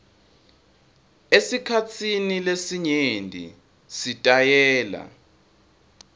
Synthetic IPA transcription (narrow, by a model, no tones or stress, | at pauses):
esikʰat͡sʰinilesiɲendʱʼḭ | sitʼajɛːla̰